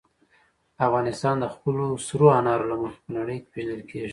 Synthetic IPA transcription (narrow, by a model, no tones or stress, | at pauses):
afɣɑnɪst̪ɑnd̪əxpəlosɾoanɑɾolaməxpənaɽəjke̥peʒnəlkʰeʒi